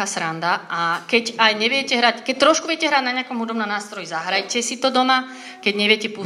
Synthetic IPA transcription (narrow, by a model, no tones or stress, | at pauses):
aːsɾand̪aakɛcajɲɛʋɪɛcɛɦɾackɛc̚t̪ːɾɔʃkuʋɪɛcɛɦɾaːɟnaɲɪakɔmɦud̪ɔbnɔmnaːst̪ɾɔjizaɦɾajcɛsit̪ɔd̪ɔma | kɛɟɲɛʋɪɛcɛpu